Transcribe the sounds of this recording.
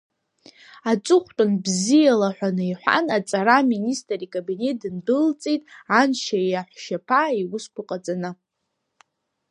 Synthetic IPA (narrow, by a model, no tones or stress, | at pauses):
at͡sʷʼʊχʷtʷʼʊnbzijalaħʷᶣanɨiħʷa̰nat͡sʼaɾaministʼrikʼabine̞t̚dɨndɨlt͡sʼejtʼanʃajaħʷʃapʰaiwʊskʷʰʊqʼat͡sʼanɨ